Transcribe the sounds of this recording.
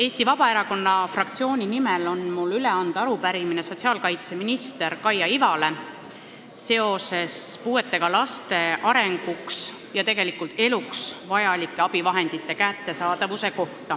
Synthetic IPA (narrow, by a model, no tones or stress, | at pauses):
e̞ːst̪ivɑb̥ɑe̞ɾɑko̞nːɑfrɑk̚t̪sio̞ːnʲinimelo̞nmulːyle̞ɑnd̪̥ɑɑɾupæɾimineso̞t̪siɑːlkɑjt̪se̞minist̪e̞ɾkɑjɑivɑle̞ | se̞o̞se̞spuːe̞t̪ːˑe̞ɡ̥ɑlɑst̪e̞ʔɑɾe̞ŋɡ̥uks | jɑt̪e̞ɡe̞likːˑult̪e̞luksvɑjɑlikˑːeɑb̥ivɑɦe̞nd̪̥it̪ːˑe̞kæt̪ːe̞sɑːd̪̥ɑvuse̞ko̞ht̪ɑ